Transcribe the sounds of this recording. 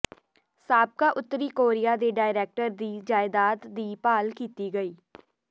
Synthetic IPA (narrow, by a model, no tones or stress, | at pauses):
saːb̚kaːʔʊt̪ːəɾiːkoːɾɪjaːd̪eːɖaːɪɾeːk̚ʈəɾd̪iːd͡ʒaːɪd̪aːt̪d̪iːpaːlkiːt̪iːɡəiː